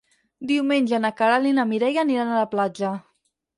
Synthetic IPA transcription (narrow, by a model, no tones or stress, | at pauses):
d̪iwmenʲʒənakaɾalinamiɾɛjaniɾanalaplad͡ʒə